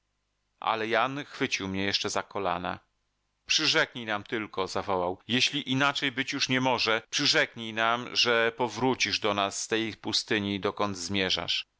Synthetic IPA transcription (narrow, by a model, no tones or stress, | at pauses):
ʔa̰lɛjanxfɘt͡ɕiwmɲɛjɛʂt͡ʂɛzakɔla̰na̰ | pʂɘʐɛkɲijnamt̪ɘlkɔzavɔwawjɛɕlʲiʔinat͡ʂɛjbɘt͡ɕjuʂɲɛmɔʐɛpʂɘʐɛkɲijnamʐɛpɔvɾut͡ɕiʐd̪ɔnasːt̪ɛjpust̪ɘɲid̪ɔkɔnd̪zmʲjɛʐa̰ʂ